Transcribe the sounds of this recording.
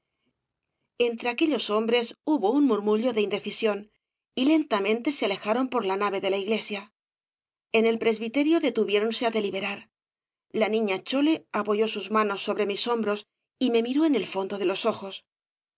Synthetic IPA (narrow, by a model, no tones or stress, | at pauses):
e̞nt̪ɾeake̞ʎo̞so̞mbɾe̞suβo̞unmuɾmuʎo̞ðe̞ind̪e̞θisjo̞n | ile̞nt̪amẽ̞nt̪e̞seale̞xaɾo̞mpo̞ɾlanaβ̞e̞ðe̞laiɣle̞sja | e̞ne̞lpɾe̞zβit̪e̞ɾjo̞ðe̞t̪uβje̞ɾo̞nse̞aðe̞liβe̞ɾaɾ | lanĩɲat͡ʃo̞le̞apo̞ʝo̞suzmano̞sːo̞βɾe̞miso̞mbɾo̞s | ime̞miɾo̞ene̞lfo̞nd̪o̞ðe̞lo̞so̞xo̞s